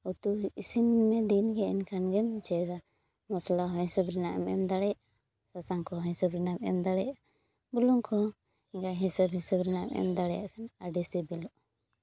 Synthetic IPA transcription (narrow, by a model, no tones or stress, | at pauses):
ɔt̪uisinmɛd̪inɡɛʔɛnkʰanɡɛmd͡ʒɛd̪a | mɔslaɦɔhisɔbɾinaʔɛmɛ̰md̪aɽɛj | sasaŋkɔɦisɔbɾinamɛ̰md̪aɽɛja | buluŋkʰɔ | ɡaɦisabhisabɾinaʔmɛ̰md̪aɽɛja̰ʔkʰanaɖɛsɛbilɔʔ